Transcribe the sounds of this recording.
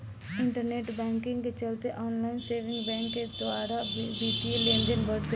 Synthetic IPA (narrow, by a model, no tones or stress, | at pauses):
ɪ̃ɳʈəɾneːʈbɛ̃ːŋkɪ̃ŋɡket͡ʃɐlt̪eʔɔːnlaːɪnseːʋɪ̃ŋɡbɛ̃ːŋkːed̪ʋaːɾabiːʈielẽːndənbəɽt̪e